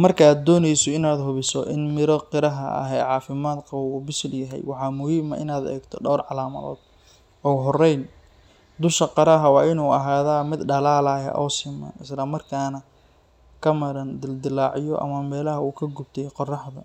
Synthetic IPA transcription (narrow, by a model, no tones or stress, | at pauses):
mɐrkʰaːd̪ɔːnɛjsɔɪnaːd̪ɦʊβɪsɔ̰ʔɪnmɪɾɔqɪɾɐɦɐ̰ɐ̰ɦɛ̰ːʕɑːfɪmaːd̪qɑwʊbɪsɪljɐɦɛ̰jwɑħɑːmʊhiːmɐ̰ʔɪ̰naːd̪ɛ̰ːɡt̪ʰɔɖɔwrʕɑlaːmɐ̰ðɔ̰ːd̪ | ɔːɦɔrɛjn | d̪ʊʃɐqɑɾɐɦɐwɑːʔɪnuːɐɦaːðaːmɪd̪ɖɐlaːlaːjɐ̰ʔɔːsɪmɛ̰ɪslɐmɐrkʰaːnɐ | kʰɐmɐɾɐnd̪ɪld̪ɪlɑːʕɪjɔʔɐ̰mɐmɛːlɐɦɐuːkʰɐɡʊb̚t̪ʰɛjqɔrɑħðɐ̰